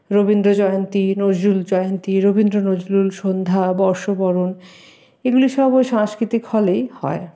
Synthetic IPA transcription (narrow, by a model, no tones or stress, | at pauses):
ɾobind̪ɾod͡ʑɔjont̪inod͡ʑluld͡ʑɔeont̪iɾobind̪ɾonod͡ʑlulʃond̪ʱabɔɾʃobɔɾon | eɡuliʃɔbojʃãŋskɾit̪ikfɔlejhɔe